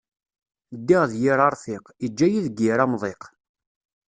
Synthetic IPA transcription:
d̪ːɪʁðjɪɾˤɑɾˤθɪqid͡ʒːæjiðɡiɾɑmðˤeq

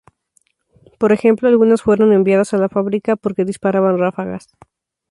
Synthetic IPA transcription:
po̞ɾe̞xe̞mplo̞alɣunasfwe̞ɾo̞ne̞mbjaðasalafaβɾikapo̞ɾke̞ðispaɾaβanrafaɣa̰s

